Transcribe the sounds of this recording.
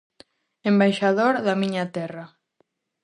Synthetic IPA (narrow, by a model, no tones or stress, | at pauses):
embajʃaðoɾðamiɲat̪ɛra